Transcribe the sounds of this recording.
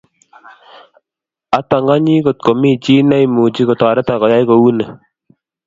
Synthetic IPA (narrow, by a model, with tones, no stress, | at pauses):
a˨˦ta˨ŋɡa˦ɲi˦ko˨t̚ko˨mi˦˨t͡ʃi˦na˦i˦mu˨t͡ʃi˦ko˨ta˨ɾɛ˦ta˨kɔ˨ja˦jko˨wu˦nə˨